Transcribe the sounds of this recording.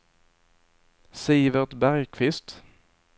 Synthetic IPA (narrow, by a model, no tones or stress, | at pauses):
siːvəʁt̪bæʁjkʰvɪst̪